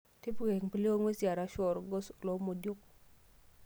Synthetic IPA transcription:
tɪ˦pɡe˨ŋpi˨li˦o˦ŋwe˦sja˨ɾa˦ʃɔ˨ɾɡɔ˦slɔ˨˦mo˨djo˦k

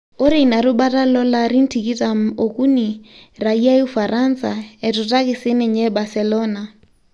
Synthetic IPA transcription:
ʊ˦ɾɪ˨i˨na˨ɾʊ˦ba˦tʼa˦lɔ˦la˦ɾi˦n̩˦tʰi˨kʼi˦tʼa˨m̩˦o˨ku˦ni˨ra˨ia˦u˦fa˨ɾʔansa̰˨ɛ˨tʼʊ˨tʼa˦kʼɪ˨sɪ˦nɪ˨ɲɛ˦ba˨sɛlɔːna

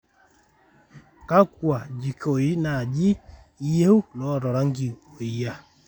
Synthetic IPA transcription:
ka˦k̚wa˨d͡ʒi˨ko˨ji˦na˨d͡ʒi˦ | je˦u˦lɔ˦˨ɾɔ˨ɾa˦ŋ˦ɡi˨o˨i˦ja˦

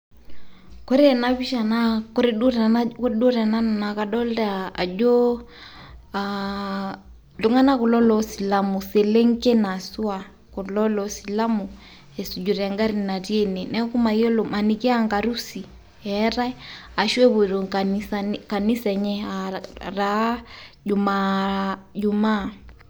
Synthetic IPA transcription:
kɔ˦ɾe˦na˦βi˦ʃa˨na˦ko˦ɾe˦ɗu˦ɾa˨kɗo˦ɾa˨na˦n˨na˨ka˨ɗɔ˦ldaː˦˨d͡ʒo˦ | a | du˦ŋa˦na˦ku˨lɔ˦lɔ˦si˨la˨mu˨se˨le˦ŋke˦na˨su˦a˨ | ko˨lɔ˦lɔ˨si˨la˦mu˨ | ɛ˨su˨d͡ʒu˨ɾa˨ŋɡa˦ɾina˨ti˦ɛ˦nɛ˨nɛ˦ku˦ma˨iɔ˦loma˨ni˨kɛ˦aŋɡa˨ɾu˦si˨ | ɛ˦ɾa˦ɛ˦a˨ʃwɛ˦βu˨ɾo˨aisaka˨ni˦sɛ˨ɲɛ˦ara˨˦d͡ʒu˨ma˨ | d͡ʒu˨ma˦˨

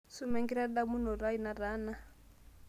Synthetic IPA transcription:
su˦mɛ˦ŋɡi˦ɾa˦ɗa˦mu˦n̤ɔ˨ɾa˦i˨na˨ɾaː˦na˦

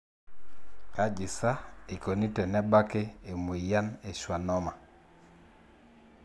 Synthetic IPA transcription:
ka˦d͡ʒi˨sa˦i˨ko˨ni˦tɛ˨nɛ˦ba˦ke˦e˨mo˨ja˦ne˨ʃwa˨nɔ˦ma˨

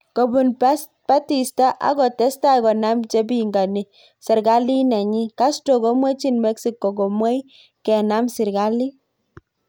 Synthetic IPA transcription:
ko˨bu˨n | pa˦ti˨sta˦ʔa̰˦ɡɔ˨tɛ˦sta˦˨kɔ˨na˦mt͡ʃe˦bi˦ŋɡa˨ni˨ | sɛ˨ɾɡa˦li˦nɛ˨ɲi˦ka˦sto˨ko˦mwɛ˦t͡ʃi˦nmɛ˦ksi˨kːo˨ɡo˨mwɛ˦j | kɛ˨na˦msɪ˨ɾɡa˦li˦

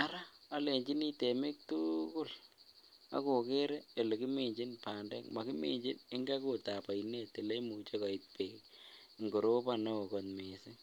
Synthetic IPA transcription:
a˦ɾa˦a˦le˨ɲd͡ʒi˦ni˦te˨mɪ˦k̚tukʊ˦l | a̰˦ko˨ke˦ɾe˦e˨le˨ki˦me˨ɲd͡ʒi˦npa˨ndɛ̰˦kma˨ki˦mḛ˨ɲd͡ʒi˦nɪ˦ŋɡa˦ko˨ta˨pa˨ine˦te˨le˦mu˨t͡ʃe˦ka˨i˨t̚pe˨k | ŋɡo˨ɾo˦pa˨no˦o˨ko˨tme˨sɪ˦

